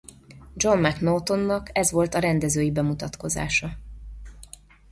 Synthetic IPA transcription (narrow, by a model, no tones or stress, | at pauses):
d͡ʒo̞mmɛknot̪o̞nːɒkɛzʋo̞lt̪ɒɾɛnd̪ɛzøːjibɛmut̪ɒt̪ko̞za̰ːʃɒ